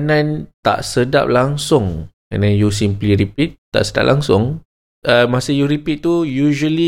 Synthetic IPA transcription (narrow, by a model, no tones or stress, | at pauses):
nãnt̪a̰ʔsəda̰p̚laŋsʊŋ | a̰nãnjus̬impliɾipit̪̚ːa̰ʔsəda̰p̚lʔaŋsʊŋ | ʔəmasəjuɾipit̪̚t̪ːujuʒəli